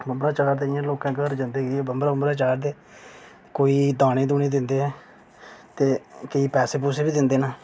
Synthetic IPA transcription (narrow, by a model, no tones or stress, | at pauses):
bəmbɾãːt͡ʃaːɾd̪eːɪjãːloːkãːkəɾd͡ʒə̃nd̪eːɡiːbəmɾaːəmɾãːt͡ʃaːɾd̪eː | koːiːd̪aːñeːd̪uːneːd̪ɪnd̪eːɦɛ̃ː | t̪eːkəiːpɛːseːpuːseːbiːd̪ɪnd̪eːnãː